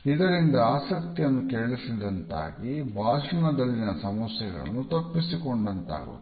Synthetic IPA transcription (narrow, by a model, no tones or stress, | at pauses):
id̪ɐɾind̪ɐaːsɐk̚t̪ijɐnːukeːɭisid̪ɐnt̪a̰ːɡibʱaːʃunɐd̪ɐlːinɐsɐmɐsjɐɡɐ̰ɭɐ̰nːut̪ɐpːisikoɳɖɐnt̪a̰ːɡṵ